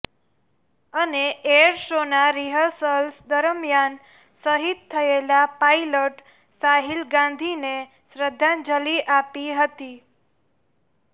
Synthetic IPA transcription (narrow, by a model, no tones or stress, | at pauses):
əneeəɾʃonaɾiɦəɾsəlsd̪əɾmjan | səɦit̪t̪ʰːəelapajloʈ | saɦilɡãnd̪ʱine | sɾəd̪ʱːand͡ʒəliʔapiɦət̪i